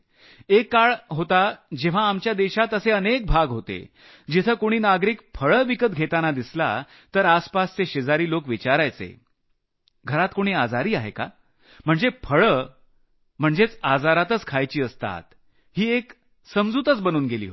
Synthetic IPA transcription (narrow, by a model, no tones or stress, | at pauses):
ekːaɭɦot̪ad͡ʑeʋ̤aːmt͡ɕjad̪eɕat̪əseənek̚bʱaɡɦot̪ḛ | d͡ʑit̪ʰəːkoɽ̃iːnaɡɾiːk̚pʰəɭəʋikət̪̚ɡʱet̪anad̪isla̰ | t̪əɾaspast͡seɕed͡zaɾiːlokʋit͡ɕaɾajt͡sḛ | ɡʱəɾat̪koɽ̃iːad͡zaɾiːaɦeka | m̤əɳd͡zepʰəɭə | m̤əɳd͡zet͡sad͡zaɾat̪ət͡skʰajt͡ɕiːəst̪a̰t̪̚ | ɦiːek | səmd͡zuːt̪ət͡sbənuːnɡelḭːɦo